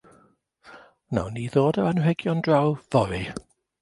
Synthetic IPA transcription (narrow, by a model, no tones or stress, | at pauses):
na̰wniːðoːdəanhɛɡjɔndrawvɔɾi